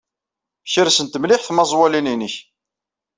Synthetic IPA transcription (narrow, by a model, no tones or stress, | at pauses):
çəɾsənt̪əmlɪħθmɑzˤwælininəç